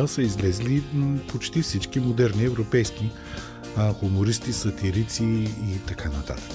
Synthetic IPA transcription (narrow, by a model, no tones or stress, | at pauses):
lˠsəizlɛzlipot͡ʃt̪ifsit͡ʃkimod̪ɛɾniɛvɾopɛjski | xʊmoɾist̪isɐt̪iɾit̪siːt̪ɐkʰanɐt̪a̰t̪ə̥k